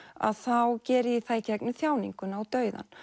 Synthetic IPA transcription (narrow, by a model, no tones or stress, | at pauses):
a̰ðθawcɛːɾɪiθajcɛknɪθjaːwniŋkʏnawt̪œːɥða̰n